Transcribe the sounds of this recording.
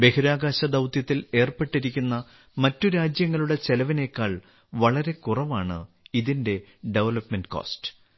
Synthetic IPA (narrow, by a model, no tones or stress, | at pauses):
be̞huɾaːɡaːɕɐd̪ɐwt̪jɐt̪ːile̞ːrpe̞ʈːiɾikʲːunːɐ | mɐtːuɾaːd͡ʑjɐŋːɐɭuɽe̞t͡ɕe̞lɐʋine̞kːaːɭ | ʋɐɭɐɾe̞kurɐʋaːɳɨ̰ | iðinde̞ɖe̞ʋɐlɐpmenɖɨko̰ːstɨ̥